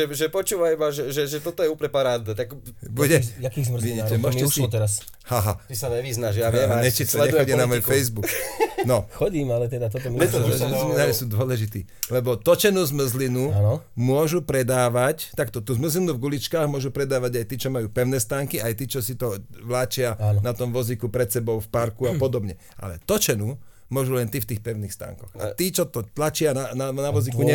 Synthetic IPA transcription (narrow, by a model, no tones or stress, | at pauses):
ɛʒɛpɔt͡ʃuːʋaibaʒɛʒɛʒɛt̪ɔt̪ɔjɛuːplɲɛpaɾad̪ɔt̪aɡbuɟɛjakiːɣzmriɛmʊɔʃɛʃɔt̪ɛɾas | haɦa̰t̪isaɲɛʋiznaʃjaʋɛaɲɛt͡ʃislɛdɛxɔɟinamɔjfɛjzbuknɔxɔɟiːmalɛt̪ɛd̪at̪ɔt̪ɔmiɛt̪ɔzminaːɾisuːd̪ʊɔlɛʒit̪ḭː | lɛbɔt̪ɔt͡ʃɛnuːzmr̩zlinuanɔmʊɔʒupɾɛd̪aːʋact̪akt̪ɔt̪uːzm̩zlinuvɡulit͡ʃkaːɣmʊɔʒupɾɛd̪aːʋaɟajt̪iːt͡ʃɔmajuːpɛʊnɛst̪aːŋkiajt̪iːt͡ʃɔsit̪ɔʋlaːt͡ʃɪanat̪ɔmʋɔzikupɾɛt̪sɛbɔʊfpaɾkuapɔd̪ɔbɲɛ | ʔa̰lɛ̰t̪ɔt͡ʃɛnuː | mʊɔʒulɛnt̪ift̪iːxpɛʊniːxst̪a̰ːŋkɔɣa̰t̪iːt͡ʃɔt̪ɔt̪lat͡ʃɪanananaʋɔzikuɲɛ